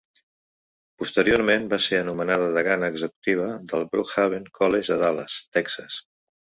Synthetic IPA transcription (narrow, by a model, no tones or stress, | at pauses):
pust̪əɾioɾmembaseənumənaðəðəɣanəːɡzəku̥t̪iβ̞əðəlˠbɾukxaβ̞eŋkʰɔleʒəðalə̰st̪ɛksəs